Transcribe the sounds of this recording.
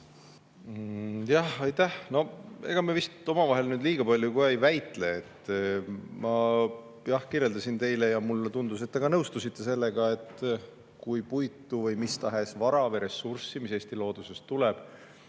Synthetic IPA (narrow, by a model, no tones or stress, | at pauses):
jɑhɑjt̪ːˑæhno̞e̞̰ɡ̥ɑmievist̪o̞mɑvɑɦe̞lnyːd̪liːɡ̥ɑpɑlʲjukuejvæjt̪ˑle̞ːt̪ː | mɑ | jɑhkire̞ld̪ɑsint̪e̞jle̞jɑmulːt̪und̪us̬e̞t̪ːe̞kɑnɤwst̪usit̪ːe̞se̞lːe̞ɡ̥ɑe̞t̪ː | kujpujt̪ːˑuvɤjmist̪ɑɦe̞svɑɾɑveɾe̞sːursːimise̞ːst̪ilo̞ːd̪̥use̞st̪ːuleb̥